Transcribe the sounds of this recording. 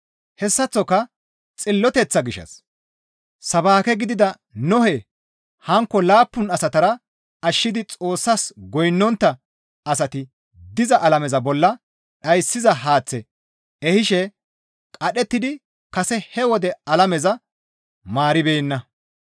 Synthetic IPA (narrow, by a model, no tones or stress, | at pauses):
hɛsːɐt͡sːɔkɐ | t͡sʼɪlːɔt̪ɛt͡sːɐɡɪʃːɐ̰s | sɐbaːkɛɡɪd̪ɪd̪ɐ | nɔhɛ | hɐŋkːɔlaːpːʊnɐsɐt̪ɐɾɐ | ɐʃːɪd̪ɪt͡sʼo̞ːsːɐsɡɔjnːɔnt̪ːɐ | ɐsɐt̪ɪ | d̪ɪzɐʔɐlɐmɛzɐbɔlːɐ | ɗɐjsːɪzɐɦaːt͡sːɛ | ɛhɪʃɛ | kʼɐɗɛt̪ːɪd̪ɪ | kɐsɛhɛwɔd̪ɛɐlɐmɛzɐ | maːɾɪbeːnːɐ